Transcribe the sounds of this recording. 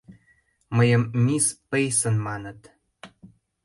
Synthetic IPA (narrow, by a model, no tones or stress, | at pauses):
məjə̆mːʲispejsə̆nmɑnə̆t̪